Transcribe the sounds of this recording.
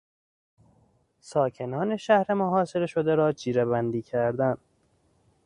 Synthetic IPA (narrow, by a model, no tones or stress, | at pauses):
sɒːcʰe̞nɒːne̞ʃæhɾe̞moɦɒːse̞ɾe̞ʃo̞d̪eɾɒːd͡ʒʰiːɾebænd̪iːcʰæɾd̪æn